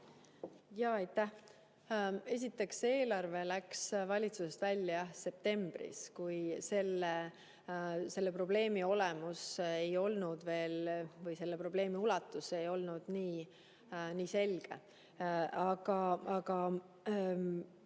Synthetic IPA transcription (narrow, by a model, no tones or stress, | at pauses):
jɑːɑjt̪ːæh | e̞s̬ʲit̪ːˑe̞kse̞ːlɑrve̞læksvɑlʲit̪suse̞st̪vælʲjɑse̞p̚t̪e̞mb̥ɾḭskujse̞lːe | se̞lːe̞pro̞ble̞ːmio̞lemusejo̞lnud̪̥ve̞ːlvɤjse̞lːepro̞ble̞ːmiulɑt̪ːˑuse̞jo̞lnud̪̥niː | niːse̞lɡ̥e̞̰ | ɑɡ̥ɑɑɡ̥ɑ